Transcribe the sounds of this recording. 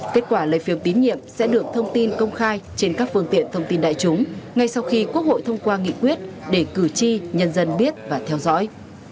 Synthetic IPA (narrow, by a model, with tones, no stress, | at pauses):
ke˦˥t̚kwaː˧˩lə̰ː˧˨jfi˧˩əmt̪i˨˦nɲḭ˧˨əmsɛ̰˧˥ɗɨ˨˩ək̚t̪ʰə˧wŋ͡mt̪i˧nkə˧wŋ͡mxaː˧jt͡ɕe˧nkaː˦˥k̚fɨ˧əŋt̪ḭ˧˨ənt̪ʰə˧wŋ͡mt̪i˧nɗa̰ː˧˨jt͡ɕʊ˨˦ŋ͡mŋa˧jsa˧wxi˧kwu˦˥ək̚ho̰˧˨jt̪ʰə˧wŋ͡mkwaː˧ŋḭ˧˨kwi˦˥ət̚ɗe˧˩kɨ˧˩t͡ɕi˧ɲə˧nzə˧nɓi˦˥ət̚vaː˨˩t̪ʰɛ˧wzɔ̰˧˥j